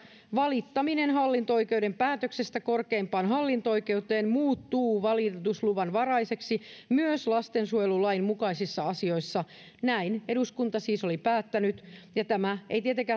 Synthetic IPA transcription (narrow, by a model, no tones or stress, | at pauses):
ʋɑlit̪ːɑminenɦɑlːint̪ooike̞udempæːt̪øksest̪ækorkeːmpɑːnɦɑlːint̪ooike̞ut̪eːnmuːt̪ːuːʋɑlit̪usluʋɑnʋɑrɑise̞ksimyøslɑst̪ensuojlulɑimmukɑisisːɑɑsio̞isːɑ | næine̞ɾuskunt̪ɑsiːsolipæːt̪ːænyt̪jɑt̪æmæeit̪iet̪eŋkæ